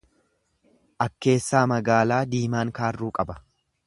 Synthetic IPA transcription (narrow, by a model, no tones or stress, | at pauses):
ʔɐkːe̞ːsːaːmɐɡaːlaːd̪iːmaːŋkaːrːuːkʼɐbɐ̥